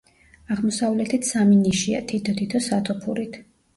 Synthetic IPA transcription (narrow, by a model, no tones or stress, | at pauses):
aʁmɔsavlɛt̪ʰit̪ʰsaminiʃia̰t̪ʰit̪ʰɔt̪ʰit̪ʰɔsat̪ʰɔpʰuɾit̪ʰ